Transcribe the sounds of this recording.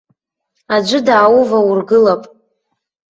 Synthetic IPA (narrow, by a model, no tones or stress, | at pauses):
ad͡ʒʷʊdaːwuvaurɡɨlapʼ